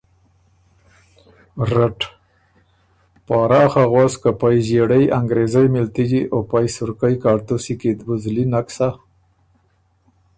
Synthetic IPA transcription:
ɾaʈ | pɑːɾɑxaɣwɑskapajʒeɽajʔaŋɡɾezajmɪlt̪id͡ʒiʔopajsʊɾkajkɑɾt̪usikid̪buzlinaksa

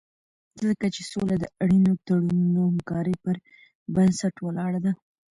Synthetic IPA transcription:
zəkat͡ʃesolad̪əaɽinot̪aɽununohamkɑɾəjpəɾ | bansaʈwəlɑɽad̪a

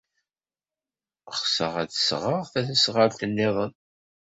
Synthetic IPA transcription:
χsə̰ʁæt͡ssʁəʁθæθæsʁəɾt̪ənːɪðˤən

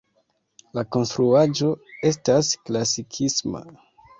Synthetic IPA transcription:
lako̞nstɾuad͡ʒo̞e̞stasklasikʰisma̰

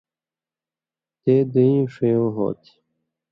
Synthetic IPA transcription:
t̪eːd̪əĩːʂejõːɦo̰ːt̪ʰi̥

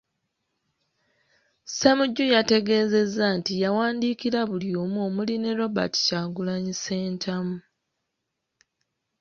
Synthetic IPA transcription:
semuɟːujate̞ɡe̞ːze̞zːantijawaːndiːkiɾaβuljo̞ːmoːmuline̞ɾo̞ba̰ti̥caːɡulaɲise̞ːntʰamu

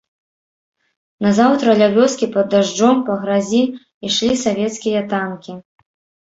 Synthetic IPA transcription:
nɐzawt̪ɾɐlʲavʲɔskʲipɐd̪ːaʐd͡ʐɔmpɐɣɾazʲi | iʂlʲisavʲɛt̪skʲijɐt̪ankʲi

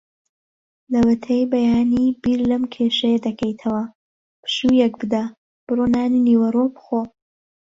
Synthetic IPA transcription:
lɐwɐt̪ʰejbɐjaːnibiːɾlɐmkʰeːʃɐjɐd̪ɐkʰɐjt̪ʰɐwɐ | pʰɨ̥ʃujɐk̚bɨd̪ɐ | b̥ɨronaːniniːwɐrobɨxo

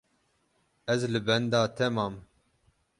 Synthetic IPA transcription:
ɛzlɨbɛnd̪ɑːt̪ʰɛmɑːm

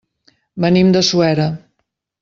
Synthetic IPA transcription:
mənimd̪əsuɛɾə

